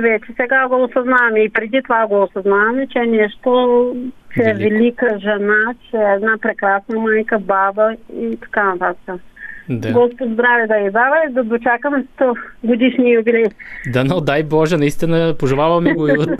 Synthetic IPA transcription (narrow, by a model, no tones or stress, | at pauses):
vɛt͡ʃɛsɛɡaɡoːsɐznavɐmɛipɾɛd̪it̪ovaɡoːsɐznavɐmɛt͡ʃɛːnɛʃt̪o | t͡ʃɛɛvɛlikəʒɛnat͡ʃɛːd̪napɾɛkɾasnɐmajkəbabəit̪ɐ̥kanɐt̪at̪ə̥kəd̪aɡɔspod̪zd̪ɾavɛd̪ɐjid̪avɐd̪ɐd̪ot͡ʃakəmɛst̪ɔɡod̪iʃnijubilʲɛjd̪anod̪ajbɔʒɛnɐist̪inəpoʒɛlˠavɐmɛɛɡo